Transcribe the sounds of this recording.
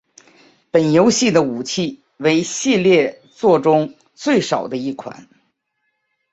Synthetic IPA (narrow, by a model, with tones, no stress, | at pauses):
pə˨˩njo˧˥ʊɕi˥˩d̪ə˩u˨˩t͡ɕʰi˥˩ | we˧˥ɪɕi˥˧ljɛ˥˧ | t͡swɔ˥˩ʈ͡ʂʊ˥ŋ | t͡swe˥˩ɪʂɑ˨˩ʊd̪ə˦i˥˩kʰwa̰˨˦n